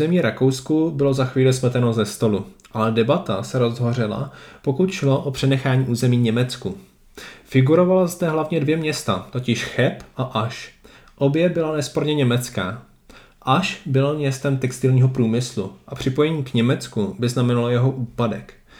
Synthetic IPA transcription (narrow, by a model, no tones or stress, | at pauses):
ɛmiːɾako̞wskubɪlo̞zaxviːlɪsm̩t̪ɛnozɛst̪o̞luʔalɛdɛbat̪asɛɾo̞zɦo̞r̝ɪla̰po̞kut̪ʃlo̞ʔopr̝̥ɛnɛxaːɲiːʔuːzɛmiːɲɛmɛt͡sku | fɪɡuɾo̞valazdɛɦlavɲɛdvjɛmɲɛst̪at̪o̞cɪʃxɛpʔaʔaʃ | ʔo̞bjɛbɪlanɛspo̞ɾɲɛɲɛmɛt͡skaː | ʔaʃbɪlomɲɛst̪ɛmt̪ɛkst̪ɪlɲiːɦo̞pɾuːmɪsluʔapr̥ɪpo̞jɛɲiːkɲɛmɛt͡skubɪznamɛnalojɛɦo̞ʔuːpadɛk